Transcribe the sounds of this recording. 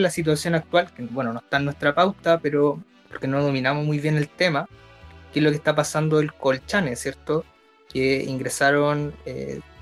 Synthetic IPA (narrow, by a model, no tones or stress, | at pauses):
lasit̪̬wasjo̞nak̚t̪walkebwenonoet̪anːwe̞st̪ɾapawt̪apeɾo | poɾkenoðo̞minamomujβjene̞lt̪e̞ma | kezlokest̪apasand̪oelkolt͡ʃanesje̞ɾt̪o | keḭŋɡɾesaɾonḛ